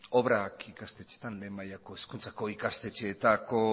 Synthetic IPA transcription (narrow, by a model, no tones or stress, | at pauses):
o̞βɾakikast̪e̞t͡ʃe̞̥t̪anle̞ːmajako̞eskunt͡sako̞ikast̪e̞t͡ʃe̞t̪ako̞